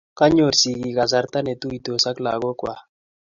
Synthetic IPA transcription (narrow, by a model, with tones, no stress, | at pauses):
ka˦ɲo˦˨ɾsi˨ɡi˨ka˨s̬a˨ɾt̪a˦ne˨t̪u˦i˨t̪o˨sa˦kla̰˨ɡo˦kwa˨